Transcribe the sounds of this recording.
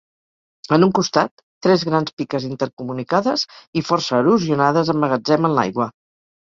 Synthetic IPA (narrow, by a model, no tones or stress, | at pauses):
ənuŋkust̪at̪ːɾɛzɣɾanspikəzint̪əɾkumunikaðəzifɔrsəːluziunað̞əzəmːəɣəd͡zɛmənla̰jɣwə